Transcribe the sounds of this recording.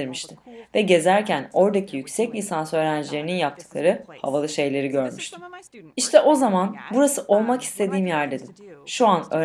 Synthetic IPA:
iɾmiʃt̪ʰɪvɛɟe̞zæɾcʰæno̞ɾd̪acʰijycʲsɛclʲisansø̞ːɾænd͡ʒilʲe̞ɾininjap̚t̪ʰɯ̥klˠaɾɯha̰valˠɯʃe̞jlʲe̞ɾiɟø̞ɾmyʃt̪ʰɪ̥iʃt̪ʰɛʔo̞zamanbuɾasɯʔo̞lˠmaki̥st̪ʰe̞d̪iːmjæɾd̪e̞d̪ɪmʃuanøː

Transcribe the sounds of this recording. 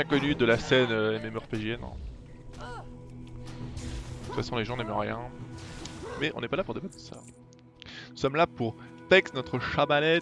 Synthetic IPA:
ɛ̃kɔnyd̪əlasɛnøɛmemœʁpeʒenɔ̰̃ | t̪u̥t̪fasɔ̃leʒɑ̃nɛmʁjɛ̃ | mɛʔɔ̰̃nɛpalapuʁd̪ebat̪̚d̪ə̥sa̰ | nusɔmlapuʁt̪ɛkst̪nɔt̪χəʃamalɛ

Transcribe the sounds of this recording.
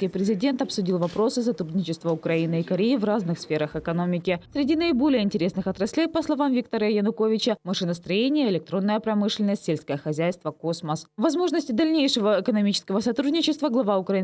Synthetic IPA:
kʲijpɾʲɪzʲɪdʲe̞nt̪ɐpsʊdʲilˠvɐpɾo̞sɨsɐt̪ɾud̪ʲnʲɪt͡ɕɪst̪vəʊkɾɐinɨikɐɾʲejɪvraznɨxsfʲeɾəxɨkɐno̞mʲɪkʲɪsʲɾʲɪdʲinəɪbo̞lʲɪjəɪnʲtʲɪɾʲe̞snɨxɐt̪ɾɐsʲlʲejpəslˠɐvamvʲikt̪əɾəəjənʊkovʲɪt͡ɕəmɐʂɨnəst̪ɾɐjenʲɪjəɪlʲɪk̚t̪ɾo̞nːəjəpɾɐmɨʂlʲɪnəsʲtʲsʲelʲsʲkəjəxɐzʲæjst̪vəkosməsvɐzmo̞ʐnəsʲtʲɪd̪ɐlʲnʲejʂɨvəɪkənɐmʲit͡ɕɪ̥skəvəsɐt̪ɾud̪ʲnʲɪt͡ɕɪst̪vəɡlˠɐvaʊkɾɐi

